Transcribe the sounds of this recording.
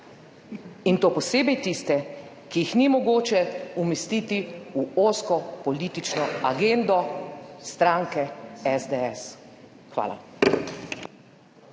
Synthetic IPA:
int̪oːpɔseːbɛjt̪ist̪ɛ | kijixnimɔɡoːt͡ʃɛumɛst̪iːt̪iuoskɔpɔliːt̪it͡ʃnɔaɡend̪ɔst̪ɾãːŋkɛɛzd̪eɛs | xʋa̰ːla̰

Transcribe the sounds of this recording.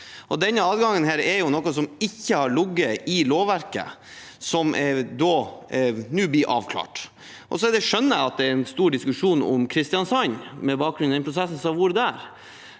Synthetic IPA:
ʔɔd̪ɛnːəɑːd̪ɡɑŋːənɦæːɾɛɾjʊnɔkːɔsɔmɪçːəhɑɾɭʊɡːəɪloːʋæɾkə̰ | sɔmd̪ɔː | nʉːblɪɾʔɑ̰ːʋkʰlɑ̰ːʈ | ʔɔs̬ɔɛɾd̪ɛʂœnːəəɑt̪̚d̪ɛæɾɛnst̪uːɖɪskʉʂuːnɔ̰mkʰɾɪst̪ɪjɑnsɑnmɛbɑːk̚ɡɾʉnɛnpʰɾʊs̬ɛsn̩sɔʋʊɾd̪æɾ

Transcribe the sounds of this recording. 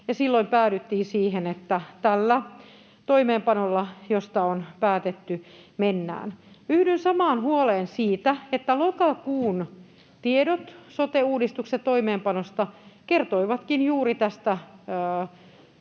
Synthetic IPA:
jɑsilːoimpæːɾyt̪ːiːnsiːhenet̪ːæt̪ælːæ | t̪oimeːmpɑnolːɑjost̪ɑonpæːt̪et̪ːymenːæ̰ːnyhdynsɑmɑːnhuoleːnsiːt̪æet̪ːælokɑkuːn | t̪iedot̪sot̪euːdist̪ukset̪toimeːmpɑnost̪ɑkert̪oiʋɑt̪kinjuːɾit̪æst̪æ

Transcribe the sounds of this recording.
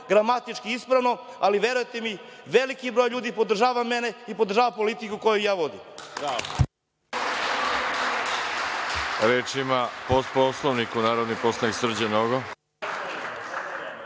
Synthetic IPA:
ɡɾamat̪it͡ʃkiispɾaʋno̞ | aliʋe̞ɾujet̪emiʋelikibɾo̞jʎuːd̪ipo̞d̪r̩ʒaːʋame̞ne̞ipo̞d̪r̩ʒaːʋapo̞lit̪ikukojujaːʋo̞d̪im | ɾeːt͡ʃimapost̪̚poslˠoʋnikunaːɾod̪niposˠaniksr̩d͡ʑenoɡo

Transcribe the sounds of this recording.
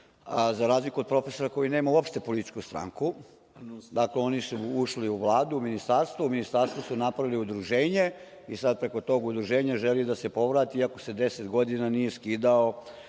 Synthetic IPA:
zaɾaːzlikuod̪̚pɾo̞fe̞so̞ɾako̞jineːmauopʃt̪e̞polit̪i̥t͡ʃkust̪ɾa̰ːŋku | d̪akleo̞nisuuʃliuʋlˠaːd̪uuminist̪aɾst̪ʋouminist̪aɾst̪ʋusunapɾaʋiliud̪ɾuʒe̞ːɲe̞ | isad̪̚pɾe̞ko̞t̪o̞ːɡud̪ɾuʒe̞ːɲaʒelid̪ase̞po̞ʋɾaːt̪iiakose̞d̪e̞set̪ɡo̞d̪inanije̞skiːd̪ao

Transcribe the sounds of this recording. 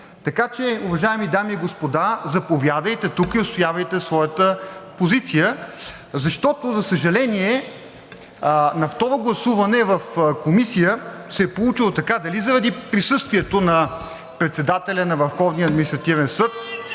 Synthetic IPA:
t̪ɐkat͡ʃɛʊvɐʒaɛmid̪amiːɡospod̪azɐpovʲjad̪əjt̪ɛt̪ukiʊst̪ojavɐjt̪ɛsvɔjət̪əpozit̪sijə | zɐʃt̪ɔt̪ozɐsəʒɐlɛniɛ | nɐft̪ɔɾoɡlˠɐsuvɐnɛvɐfkomisijəsɛɛpolˠut͡ʃilˠot̪ɐkad̪ɐlizɐɾɐd̪ipɾisɤst̪viɛt̪onɐ | pɾɛt̪sɛd̪at̪ɛlʲɐnɐvəɾfxɔvniəɐd̪minist̪ɾɐt̪ivɛnsɤt̪

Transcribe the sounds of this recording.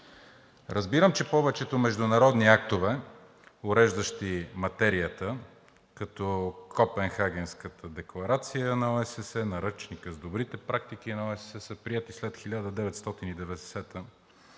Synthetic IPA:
ɾʔəzbiɾəmt͡ʃɛpɔvɛt͡ʃɛt̪omɛʒd̪ʊnɐɾɔd̪niak̚t̪ovɛ | ʊɾɛʒd̪əʃt̪imɐt̪ɛɾiət̪ə | kɐt̪ɔkʰɔpɛnxaɡ̟ʲɛnskət̪ʰəd̪ɛklˠɐɾat̪sijənɐoɛsɛsɛnɐɾɤt͡ʃnikəzd̪obɾit̪ɛpɾak̚t̪ik̟inɐoɛssɛsəpɾiɛt̪islɛt̪xilʲad̪əd̪ɛvɛt̪st̪ɔt̪inid̪ɛvɛd̪ɛsɛt̪ə

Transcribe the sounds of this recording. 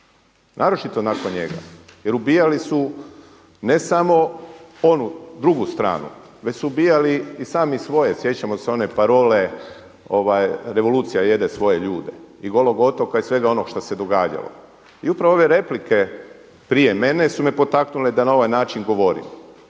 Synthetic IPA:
nʔaːɾo̞t͡ʃit̪onako̞nɲe̞̰ɡa̰je̞ɾubijalisu | ne̞samo̞o̞nud̪ɾuɡust̪ɾa̰ːnṵ | ʋet͡ɕsuːbijaliisaːmisʋo̞je̞sje̞t͡ɕamo̞seo̞ne̞paɾo̞ːle̞ | o̞ʋajɾe̞ʋo̞luːt̪sijaje̞d̪esʋo̞je̞ʎuːd̪e̞̰iɡo̞lˠo̞ɡo̞t̪o̞kaisʋe̞ɡao̞noɡʃt̪ose̞d̪o̞ɡaːd͡ʑa̰lo̰ | iupɾaʋoo̞ʋe̞ɾe̞plike̞ | pɾije̞me̞ne̞sumepo̞t̪aknuled̪anao̞ʋajnaːt͡ʃiŋɡo̞ʋo̞ɾḭm

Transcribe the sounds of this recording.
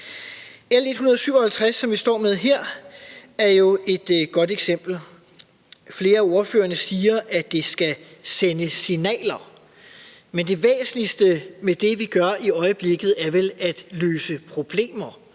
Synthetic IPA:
ele̝d̥hunɐðˠsyʊɐ̽hælt͡sʰʁasːɒ̽mʋisd̥ɒ̰ːmeð̞ˠɦeɐ̰ | æɐjo̝e̝d̥ɡ̥ɒ̽d̥eɡ̥sem̰b̥l̩ | fle̝ːɐæo̝ɐfø̰ːɐnəsiːɐʔæd̥esɡ̥æsenəsinɛ̰ːlɐ | mend̥e̝ʋḛːsən̩isd̥əmed̥e̝ʋiɡ̥ɶɐiɒ̽ɪəb̥le̝ɡ̥ð̩ˠæɐʋelæd̥løːsəpʰʁo̝b̥le̝̰ːmɐ

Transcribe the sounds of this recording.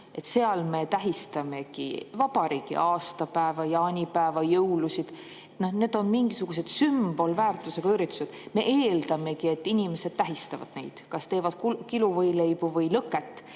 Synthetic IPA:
e̞t̪ːse̞ɑlme̞t̪æɦist̪ɑme̞ɡḭvɑbɑɾiːɡḭʔɑːst̪ɑpæevɑjɑːnʲipæevɑjɤwlusid̪̥ | et̪none̞ːd̪̥o̞nmiŋɡisuɡ̥use̞d̪̥symb̥o̞lvæːrt̪ːˑuse̞ɡ̥ɑyɾit̪ːˑu̥se̞d̪̥me̞̰ʔeːld̪̥ɑme̞kie̞t̪ːinʲime̞se̞d̥̪̚t̪æɦist̪ɑvɑ̰d̪̥ne̞̰jd̪̥kɑst̪e̞ːvɑd̪̥kukiluvɤjle̞jb̥uvɤjlɤkːˑet̪ːˑ

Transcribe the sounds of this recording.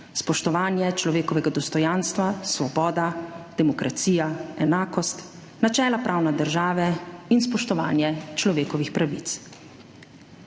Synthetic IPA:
spɔʃt̪ɔʋaːnjɛt͡ʃlɔʋeːkɔʋɛɡad̪ɔst̪ɔjaːnst̪ʋasʋɔbɔːd̪ad̪̥ɛmɔkɾʔat̪siːjaɛnaːkɔst̪ | nat͡ʃɛːlapɾʔaːwnɛd̪əɾʒaːʋɛinspɔʃt̪ɔʋa̰ːnjɛt͡ʃlɔʋeːkɔʋixpɾaʋit̪s

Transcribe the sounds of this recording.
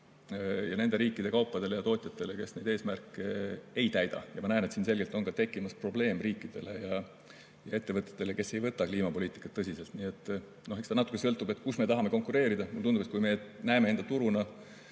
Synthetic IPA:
jɑne̞nd̪e̞ɾiːkːˑid̥̪e̞kɑwpːˑɑd̪̥e̞lejɑt̪o̞ːt̪ʲˑjɑt̪ːˑe̞le̞ke̞sne̞jd̪e̞ːsmærkːˑee̞jt̪æjd̪̥ɑ̰jɑmɑnæene̞t̪siːnse̞lɡ̥elt̪o̞nkɑt̪e̞kˑːimɑspro̞ble̞ːmriːkˑːid̪̥e̞̰le̞jɑ | jɑe̞t̪ːe̞vɤt̪ːˑe̥t̪ːe̞le̞ke̞se̞jvɤt̪ːˑɑkliːmɑpo̞liːt̪ːˑi̥kːˑɑt̪ːɤsʲise̞lt̪niːe̞t̪ːˑ | no̞ɦekst̪ɑnɑt̪ːˑu̥kːˑesɤ̞lt̪ːˑube̞t̪kusme̞t̪ɑɦɑme̞ko̞ŋkˑuɾe̞ːɾid̪̥ɑmult̪und̪ubet̪̚kujme̞næemeend̪ɑt̪uɾunɑ

